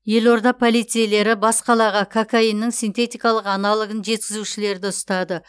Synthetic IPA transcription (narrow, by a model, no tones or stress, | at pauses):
je̞lˠo̞ɾd̪ɑpʰo̞lˠijt̪sɨjele̞ɾɪbɑsqɑlˠɑʁɑkʰakʰainːəŋsint̪e̞t̪ijkɑlˠəqɑnɑlˠəɡənʒe̞t̪̚kʲɪzuʃɪle̞ɾd̪ɪʊst̪ɑd̪ə